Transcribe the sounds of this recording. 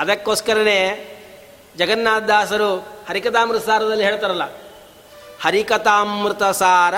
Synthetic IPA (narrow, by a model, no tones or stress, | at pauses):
ɐd̪ɐkːoːskɐɾɐneː | d͡ʒɐɡɐnːaːt̪̚d̪aːsɐɾuhɐɾikɐt̪aːmɾɨt̪ɐsaːɾɐd̪ɐlːiɦeːɭt̪aːɾɐlːɐ | hɐɾikɐt̪aːmɾɨt̪ɐsaːɾɐ